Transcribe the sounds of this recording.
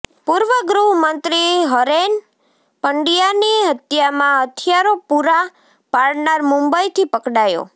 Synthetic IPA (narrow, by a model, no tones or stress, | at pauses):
puɾʋəɡɾuɦmənt̪ɾiɦəɾen | pəɳɖijaniɦət̪jamãɦət̪ʰjaɾopuɾa | paɭnaɾmũmbəjt̪ʰipəkɽajo̰